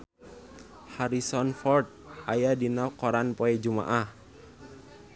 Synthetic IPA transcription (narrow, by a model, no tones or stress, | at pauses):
haɾisɔnfɔrt̪̚ | ʔajadinakɔɾanpɔɛd͡ʒuma̰ʔah